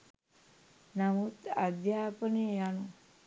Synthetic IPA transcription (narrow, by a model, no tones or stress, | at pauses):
namut̪ad̪jaːpənejanu